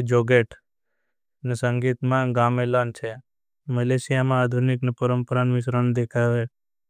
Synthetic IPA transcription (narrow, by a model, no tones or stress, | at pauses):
d͡ʒoɡeʈʰ | nesə̃ŋɡit̪mãɡamelant͡ʃʰe | məlesijamãaːd̪ʱuniknepəɾəmpəɾanmɪs̬ɾanud̪ekʰaʋe